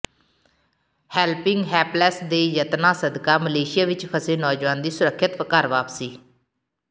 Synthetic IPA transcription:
hɛːlpɪŋɡɦɛːplɛːsd̪eːjət̪nãːsəd̪kaːməleːʃɪjaːʋɪt͡ʃkʰəseːnɔːd͡ʒʋaːnd̪iːsʊɾəkʰːɪt̪əkaːɾʋaːpsiː

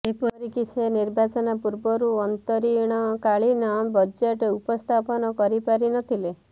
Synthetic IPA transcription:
epɔɾikiseniɾbat͡ʃɔnapuɾbɔɾuɔnt̪ɔɾiɽ̃ɔkaɭinabɔd͡ʒeʈupɔst̪ʰapɔnɔkɔɾipaɾinɔt̪ʰile

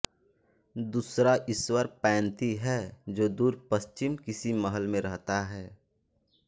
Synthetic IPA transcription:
d̪uːsɾaʔɪswəɾpɛ̃ːnt̪iɦɛːd͡ʒoːd̪uːɾpəst͡ʃɪmkɪsiməɦəlmẽɾɐɦt̪aɦɛː

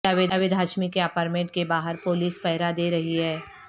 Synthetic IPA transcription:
aʋed̪aʋɪd̪ʱaːʃmikeapaːɾmẽʈ̚kebaːɦəɾpoːliːspɛɦɪɾad̪eːɾɐɦiɦɛː

